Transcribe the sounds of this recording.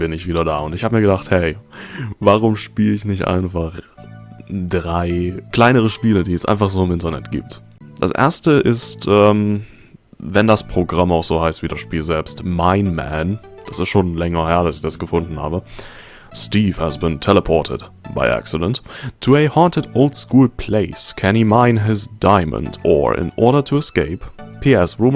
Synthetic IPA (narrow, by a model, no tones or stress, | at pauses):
b̥ɪnɪçv̥iːɾɐdaːʊntɪçhaːbəmiːɐɡədaχthɛɪvaʁ̞ʊmʃpiːləɪçnɪçtʔa̰ɪnfaχ | dʁaɪkl̥aɪnəʁ̞əʃpiːlədiːɛsʔa̰ɪnfaχz̥oːɪmʔɪntɐnɛ̰tɡ̥ḭːp̚t | d̥a̰sʔḛɐstəʔɪstʔɛːm | vɛndaspʁ̥oɡʁamaʊxz̥oːhaɪstv̥iːdasʃpiːlzɛlpstmaɪnmæ̰n | d̥asɪstʃoːnlɛŋɐhɛːɐdasɪ̥çd̥asɡ̥əfʊndn̩ha̰ːbə | stiːfhæsbɪntʰɛləpʰɔtʰɪ̰d | b̥a̰ɪʔæ̰ksɪdə̃ntʰːuɛhɑːntɪdoʊltskuːlpʰl̥eɪskʰænhiːmaɪnɦɪsd̥aɪmə̰̃ndʔɔ̰ːʔɪ̰nʔɔ̰ɐɾɐtʰuɛskeɪppʰːiɛsɹum